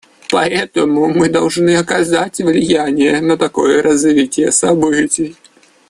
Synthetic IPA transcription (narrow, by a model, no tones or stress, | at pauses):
pɐɛt̪əmʊmɨd̪ɐlˠʐnɨɐkɐzatʲvlʲɪjænʲɪjənət̪ɐko̞jəɾʔɐzvʲitʲɪjəsɐbɨtʲɪj